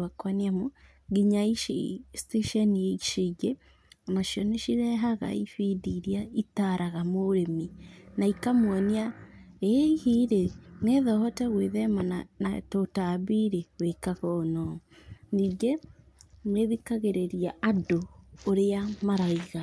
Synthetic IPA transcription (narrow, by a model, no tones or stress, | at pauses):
akwaniamu | ɡiɲaiʃḭsteʃɛnieʃeɡe | amaʃiɔneʃiɾɛɦaɣa̰ifidiɾiaitaɾaɣamoɾeminaikamwɔniaeihiɾeneðɔhɔtɛɣweðɛmananatotaβiɾewekaɣɔnɔniːɡe | meðikaɣeɾeɾiaadoːɾeamaɾaiɣa